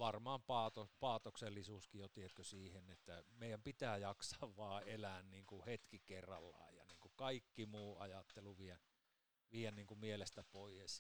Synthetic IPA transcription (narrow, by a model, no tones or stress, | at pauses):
ʋɑrmɑːmpɑːt̪opɑːt̪okselːisuːskijot̪iet̪køsiːhenet̪ːæmeˑijæmpit̪æːjɑksɑʋʋɑːelænniːŋkuhet̪kikerːɑ̰lːɑ̰ˑejjɑ̰niːŋkukɑikːimuːɑjɑt̪ːeluʋiæ | ʋiːænniːŋkumielest̪æpoˑijes